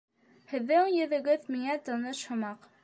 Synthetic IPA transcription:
hɘ̆ðːɘŋjɵ̆ðɘ̆ɡɘðmiŋæt̪ɑnɤʃhɤ̆mɑq

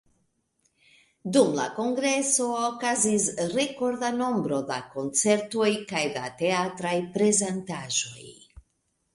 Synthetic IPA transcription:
dumla̰ko̞ŋɡɾe̞so̞okazisɾe̞ko̞ɾdano̞mbɾo̞da̰ko̞nt͡se̞ɾto̞jkajdate̞atɾajpɾe̞zentaʒo̞̰j

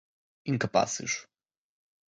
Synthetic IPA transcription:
ĩŋkɐpa̰sɨ̰ʃ

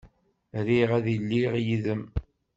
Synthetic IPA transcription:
ɾiʁæðəlːiʁjiðəm

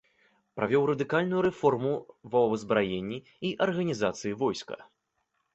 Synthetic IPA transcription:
pɾʔavʲɔwɾɐd̪ɨkalʲnujuɾɛfɔrmuvɐwbɨzbɾajenʲːi | iʔɐrɣɐnʲizat̪sɨjivɔjskɐ̰

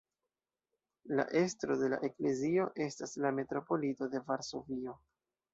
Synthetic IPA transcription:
la̰ʔe̞stɾo̞de̞la̰ʔe̞kle̞zio̞ʔe̞staslame̞tɾo̞po̞lito̞de̞vaɾso̞vio̞

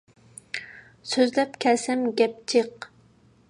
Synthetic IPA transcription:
søzlɛpkʲʰɛlsɛmɡʲɛp̚t͡ʃʰeq

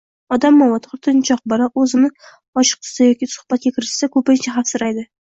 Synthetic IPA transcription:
ɒd̪amːɒwat̪ʰɾt̪ʰɪnt͡ʃʰɒq̚bɒɾaɵzɪmnɪ | ɒt͡ʃɨ̥q̚t̪ʰʊ̥sajɒkʲisʊ̥χb̥at̪̚ɡʲakʲʰɪɾɪʃsakʰɵpɪnt͡ʃʰaɦafsɪɾajd̪ɪ

